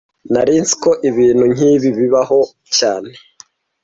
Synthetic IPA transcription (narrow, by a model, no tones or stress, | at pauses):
naɾiːnsi̥koʔiβiːn̥huɲiːβiβiβaɦo̞ | caːne